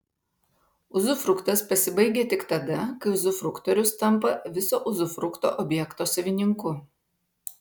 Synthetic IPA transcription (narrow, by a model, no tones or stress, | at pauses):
ʊzʊfɾʊkt̪ɐspɐsʲɪbɐɪɡʲeːt̪ʲɪkt̪ɐd̪ɐkɐɪʊzʊfɾʊkt̪ɔɾʲʊst̪ɐmˑpɐʋʲɪsoːʔʊzʊfɾʊkt̪o̰ːʔɔbʲjɛkt̪oːsɐʋʲɪnʲɪŋkʊ